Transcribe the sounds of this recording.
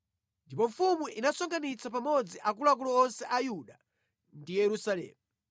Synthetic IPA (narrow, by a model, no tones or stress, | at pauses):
ndipɔɱfumuʔinasɔŋɡanit͡sʰap̬amɔd͡ziʔak̬ulak̬ulɔɔnsɛʔajuɗa | ndijɛɾusalɛ̰ːmu